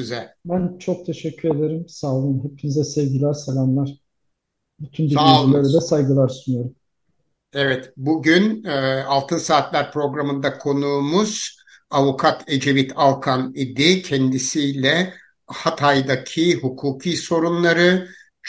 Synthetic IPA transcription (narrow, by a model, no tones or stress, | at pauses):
yzɛlʲbænt͡ʃʰo̞k̚t̪ʰe̞ʃɛcʰːyɾe̞d̪eɾimsaːlˠɯmɦepʰinizɛsɛvɟilʲæɾselʲanlʲˠæɾ̥ | byt̪ʰynbiaillʲeɾilʲɛsajɡɯlˠaɾsunyjo̞ɾum | ɛvɛt̪buɟynːalˠt̪ʰɯnsaːt̪lʲæɾpɾo̞ɡɾamɯnd̪akʰo̞nuːmuz̥ | avukʰat̪ʰe̞d͡ʒe̞vit̪ʰalˠkʰanid̪icʰɛnd̪isijlʲɛ | hat̪ʰajd̪acʰihukʰuːkʰiːso̞ɾunlˠaɾɯ | t͡ʃ